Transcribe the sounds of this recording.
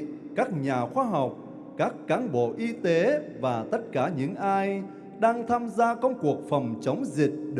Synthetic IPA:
kaː˦˥k̚ɲaː˨˩xwaː˧ɦa˨˩wk͡p̚ | kaː˦˥kːaː˨˦nɓo̰˧˩˨ʔi˧t̪e˨˦vaː˨˩t̪ə˦˥t̚kaː˧˩ɲɨ̰˧˥ŋʔaː˧j | ɗaː˧ŋt̪ʰaː˧mzaː˧kə˧wŋ͡mku˨˩ək̚fə˨˩wŋ͡mt͡ɕə˨˦wŋ͡mzï˨˩k̚ɗ

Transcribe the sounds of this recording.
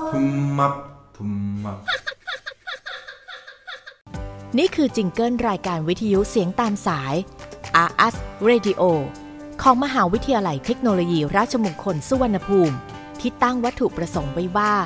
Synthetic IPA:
tʰu˧ma˦p̚t̪ʰːp | niː˥˩kʰɯː˧t͡ɕi˧ŋkɤː˥˩nɾaː˧jkaː˧nwi˦t̪ʰːa˧ju˦˥si˨˩˦əŋt̪aː˧msaː˩˦jʔaː˧ʔa˦˥sɾeː˧di˧ʔoː˧ | kʰɔː˩˦ŋma˧ɦaː˩˦wi˦˥t̪ʰi˧ja˧la˧˩jt̪ʰe˦˥k̚noː˧loː˧jiː˧ɾaː˥˩t̪̚t͡ɕʰa˧mu˧mkʰo˧nsu˧˩wa˧nːa˧pʰuː˧m | t̪ʰiː˥˩t̪a˥˩ŋwa˦˥t̪ʰːu˨˩pɾa˧so˩˦ŋwa˦˥jwaː˥˩

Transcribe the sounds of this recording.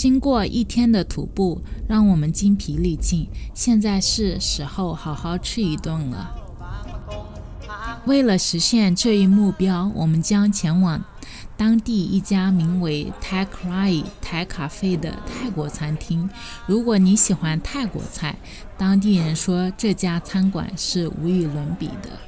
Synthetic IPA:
t͡ɕi˥ŋkwɔ˥˧ʔḭ˥˩t̪ʰjɛ˥nd̪ə˨t̪ʰṵ˨˩pu˥˩ɻɑ˥˩ŋwɔ˨˩mə˦nt͡ɕi˥ŋpʰi˧˥li˥˩t͡ɕi˥˩nɕjɛ˥˧nt͡sa˥˧ɪʂɻ̩˥˩ʂɻ̩˧˥xo˥˩ʊxɑ˨˩ʊxɑ˥˧ʊʈ͡ʂ̩ʰ˥˩i˧˥t̪wʊ˥˩nlə̰˩ | we˥˩ɪlə˩ʂɻ̩˧˥ɕjɛ˥˧nʈ͡ʂɤ˥˧i˥˧mu˥˩pjɑ˥ʊwʔɔ˨˩mə˦nt͡ɕjɑ˥ŋt͡ɕʰjɛ˧˥nwɑ˨˩ŋ | t̪ɑ˥ŋt̪i˥˧i˥˩t͡ɕja˥mi˧˥ŋwe˧˥ɪt̪ʰa˥ɪkʰla˥i˨˩t̪ʰa˧˥ɪkʰa˨˩fe˥˩ɪd̪ə̰˧t̪ʰa˥˩ɪkwɔ˧˥t͡sʰa˥nt̪ʰi˥ŋ | ɻu˧˥kwɔ˧˥ni˧˥ɕi˨˩xwa˥nt̪ʰa˥˩ɪkwɔ̰˧˥t͡sʰa˥˩ɪ | t̪ɑ˥ŋt̪̬i˥˩ɻə˧˥nʂwɔ˥ʈ͡ʂɤ˥˩t͡ɕja˥t͡sʰa˥nkwa̰˨˩nʂɻ̩˥˩ṵ˧˥y˧˩lwə˧˥npḭ˨˩d̪ə̰˦

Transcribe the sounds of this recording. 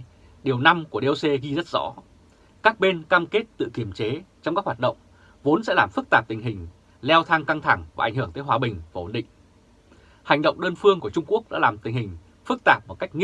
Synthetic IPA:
ɗi˨˩əwna˧mku˧˩əɗe˧wse˧ɣi˧zə˦˥t̚z̥ɔ̰˧˥ | kaː˦˥k̚ɓe˧nkaː˧mke˦˥t̚t̪ɨ̰˧˨ki˧˩əmt͡ɕe˨˦t͡ɕɔ˧ŋ͡mkaː˦˥k̚wa˨˩t̚ɗə̰˧˨wŋ͡m | vo˨˦nsɛ̰˧˥laː˨˩mfɨ˦˥k̚t̪aː˨˩p̚t̪ï˨˩ŋ̟ɦï˨˩ŋ̟ | lɛ˧wt̪ʰa˧ŋka˧ŋt̪ʰa˧˩ŋvaː˨˩ʔŋ̟hɨ˧˩əŋt̪əː˨˦jɦwaː˧˩ɓï˨˩ŋ̟vaː˨˩ho̰˨˩nɗḭ˧˨ŋ̟ | ha˨˩jŋ̟ɗə̰˧˨wŋ͡mɗəː˧nfɨ˧əŋku˧˩ət͡ɕʊ˧ŋ͡mku˦˥ək̚ɗa̰ː˧˥laː˨˩mt̪ï˨˩ŋ̟hï˨˩ŋ̟ | fɨ˦˥k̚t̪aː˨˩p̚mo˨˩t̚ka˦˥jk̟̚ŋ

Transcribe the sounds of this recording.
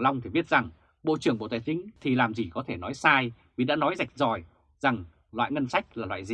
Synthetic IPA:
la˧wŋ͡mt̪ʰi˨˩ɓi˦˥ət̚za˨˩ŋ | ɓo̰˧˨t͡ɕɨ˨˩əŋɓo̰˧˨t̪a̰ː˧˨t͡ɕï˨˦ŋ̟t̪ʰi˨˩laː˨˩mzi˨˩kɔ˨˦t̪ʰe˧˩nɔ˨˦jsaː˧j | vi˨˩ɗa̰ː˧˥nɔ˨˦jza˨˩jk̟̚zɔ˨˩j | z̥a˨˩ŋ | lwa̰ː˧˨jŋə˧nsa˦˥jk̚laː˨˩lwa̰ː˧˨jzi˨˩

